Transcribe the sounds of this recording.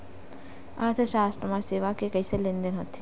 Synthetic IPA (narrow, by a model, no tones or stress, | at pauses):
a̰ɾt̪ʰeʃaːsʈ̪ɾəmaseːʋakekəiselĩnd̪ənɦɔt̪ʰi